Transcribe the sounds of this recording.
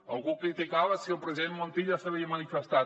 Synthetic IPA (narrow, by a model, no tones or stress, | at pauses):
alˠɣukɾit̪ikaβəsiəlˠpɾeziðenmont̪iʎasaβiəmanifəst̪a